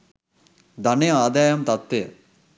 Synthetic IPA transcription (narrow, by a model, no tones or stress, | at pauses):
d̪ɐneaːd̪aːjɐmt̪ɐt̪ʋe